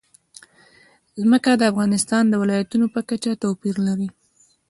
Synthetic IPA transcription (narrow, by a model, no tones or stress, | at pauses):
zməkad̪əafɣɑnɪst̪ɑnd̪əwɪlɑjat̪unopəkat͡ʃat̪apiɾlaɾi